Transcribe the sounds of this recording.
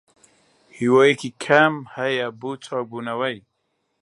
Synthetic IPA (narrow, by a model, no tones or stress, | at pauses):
hiwoikikʰamhajabut͡sʰak̚bunawaj